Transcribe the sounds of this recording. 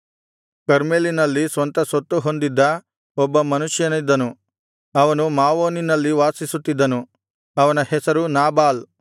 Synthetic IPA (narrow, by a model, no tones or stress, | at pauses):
kɐɾmeːlinɐlːisʋɐnt̪ɐsot̪ːuɦo̞nd̪id̪ːɐ | ɔbːɐmɐnuʃjɐnid̪ːɐnu | ɐʋɐnumaːʋoːninɐlːiʋaːsisut̪ːid̪ːɐnu | ɐʋɐnɐhɛsɐɾunaːbaːl